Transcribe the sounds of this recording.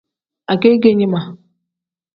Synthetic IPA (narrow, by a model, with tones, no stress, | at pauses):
a˨ke˦ɡe˦ɲi˦ma˨